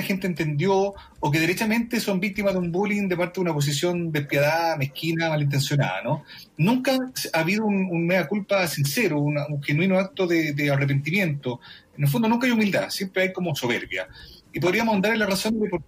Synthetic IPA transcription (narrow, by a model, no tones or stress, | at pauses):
axent̪eːnt̪end̪joː | k̬eðeɾet͡ʃame̞nt̪eso̞mbik̚t̪imaðeumbulind̪epaɾt̪eðunapo̞s̬is̬jo̞nd̪ehpjaðamehkinamalint̪̬e̞nsjona̰ða̰no | nũŋkasaβiðoununːneɣakulpasinseɾounauŋxenwinoak̚t̪oðed̪earep̬e̞nt̪imje̞nt̪oenelfo̞nd̪onuŋkaajumild̪a̰sje̞mpɾeajkomoso̞βeɾβja̰ip̬o̞ðɾiamoand̪aɾelaraso̞nepoɾ